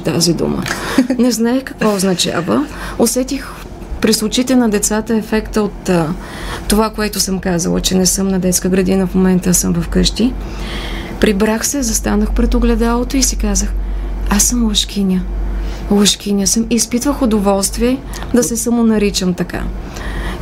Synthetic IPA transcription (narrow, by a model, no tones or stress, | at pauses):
t̪a̰zid̪ṵmə̰nɛznaɛkɐkvɔoznɐt͡ʃa̰vəosɛt̪ix | pɾislˠʊt͡ʃit̪ɛnɐd̪ɛt̪sat̪əɛfɛkt̪əot̪ː | ovakoɛt̪ʊsɤmkazə̰lˠə̰t͡ʃɛnɛsɤmnɐd̪ɛt̪skəɡɾɐd̪inəfmomɛnt̪əsɤmvɐfkɤʃt̪i | pɾibɾaxsɛzɐst̪anəxpɾɛt̪oɡlɛd̪alˠot̪oisikazəxasəmlˠəʃk̟ʰʲinʲə | lˠəʃkʲinʲəsəmiːspit̪vəxʊd̪ovɔlˠst̪viɛ | d̪ɐsɛsɐmonɐɾit͡ʃəmt̪ɐka̰